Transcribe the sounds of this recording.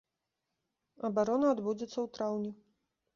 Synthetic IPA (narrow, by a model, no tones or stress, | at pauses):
ɐbaɾɔnɐːd̪bud͡zʲɛt̪sːɐwt̪ɾawnʲɛ